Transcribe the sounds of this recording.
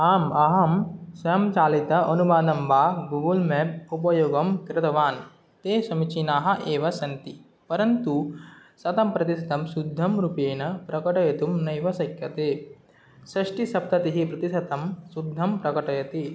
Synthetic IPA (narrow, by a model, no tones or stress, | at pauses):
aːmɐɦɐmsɐjɐmt͡ʃaːlit̪ɐʔɐnubaːd̪ɐmbaːɡuɡulmep̚up̬ɐjoːɡɐmkɾɪt̪ɐʋaːn | t̪eːsɐmit͡ʃinaːɦɐ̆ʔeːʋɐsɐnt̪i | pɐɾɐnt̪usɐt̪ɐmpɾɐt̪isɐt̪ɐmsud̪ʱːɐmɾupeːnɐpɾɐkɐʈɐjɐt̪umnɐjʋɐsɐkjɐt̪eː | sɐʂʈisɐp̚t̪ɐt̪iɦipɾɐt̪isɐt̪ɐmsud̪ʱːɐmpɾɐkɐʈɐjɐt̪i